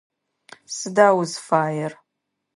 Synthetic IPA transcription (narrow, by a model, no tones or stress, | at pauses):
sɨdaːwʊzfaːjɛr